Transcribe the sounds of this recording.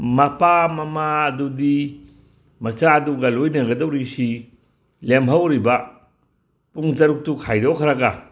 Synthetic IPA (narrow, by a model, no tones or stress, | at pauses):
mɐpamɐmaɐdudi | mɐsaɐduɡɐlojnɐɡɐdɐwɾisi | lemɦɐwɾibɐ | puŋtɐɾuk̚tukʰajdokʰɐɾɐɡa